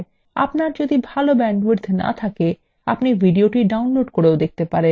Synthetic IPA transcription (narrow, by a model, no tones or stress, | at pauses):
a̰pnaɾd͡ʑod̪ibʱalobɛɳɖwuɾd̪ʱna̰t̪ʰake | apnivʱiɖioʈiɖawnloɖkoɾeod̪ek̚ʰt̪epaɾen